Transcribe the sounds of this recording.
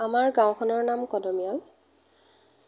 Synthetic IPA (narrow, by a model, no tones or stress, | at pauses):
amaɹɡãwkʰɔnɔɹnamkɔdɔmijal